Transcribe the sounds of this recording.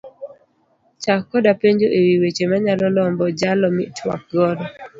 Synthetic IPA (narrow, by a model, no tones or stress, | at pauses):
t͡ʃakːɔdapeɲd͡ʒoʔewiwet͡ʃemaɲalɔlɔmbɔd͡ʒalɔmɪ̰twa̰k̚ɡɔdɔ